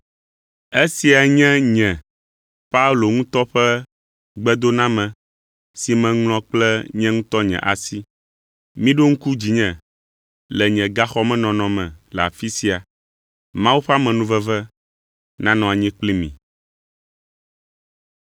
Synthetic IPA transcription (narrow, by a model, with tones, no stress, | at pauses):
e˦si˨a˨ɲɛ̃˦ɲɛ̃˨ | pa˦u˦lo˨ŋũ˦t̪ɔ˦ɸɛ˦ | ɡ͡bɛ˦d̪o˦nã˦mɛ̃˨ | si˨mɛ̃˨ŋl̃ɔ̃˦k͡plɛ˦ɲɛ̃˦ŋũ˦t̪ɔ˦ɲɛ̰̃˨ʔa̰˨si˦ | mĩ˦ɖo˦ŋ̩̃˦ku˦d͡ʑi˨ɲɛ̃˨ | lɛ˨ɲɛ̃˨ɡa˦xɔ˦mɛ̃˦nɔ̃˨nɔ̃˨mɛ̰̃˨lɛ˨a̰˨fi˦si˨a˨ | mã˦wu˦ɸa˦mɛ̃˨nũ˦vɛ˦vɛ˦ | nã˦nɔ̃˨a˨ɲɛ̃˦k͡pli˦mḭ̃˨